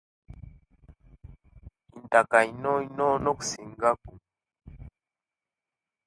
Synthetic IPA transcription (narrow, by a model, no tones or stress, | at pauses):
intakainɔinɔnɔksiŋɡaku